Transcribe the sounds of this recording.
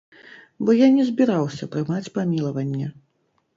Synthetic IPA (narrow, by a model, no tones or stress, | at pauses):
bɔjanʲɛzʲbʲiɾawsʲɐt̪ɾɨmat͡sʲpamʲilˠɐvɐnʲːɛ